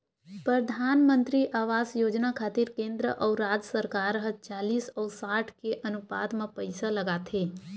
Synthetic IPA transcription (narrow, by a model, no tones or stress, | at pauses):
pɾəd̪ʱaːnmə̃nt̪ɾiʔaːʋaːzjoːd͡ʒnakʰaːt̪ɪɾkẽːnd̪ɾə̰ʔɔːɾaːd͡ʒsəɾkaːɾɦət͡ʃaːliːsɔːɾsaːʈʰkeʔɐnʊpa̰ːd̪mẽpəɪsaləɡaːt̪ɦeː